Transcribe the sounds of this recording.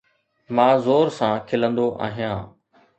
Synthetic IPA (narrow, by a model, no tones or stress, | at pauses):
mãːzoːɾsãːkʰɪlə̃nd̪oʔa̰ːɦijãː